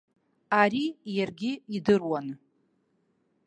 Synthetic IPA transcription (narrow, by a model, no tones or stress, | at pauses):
aɾijarɡʲiidɨrwan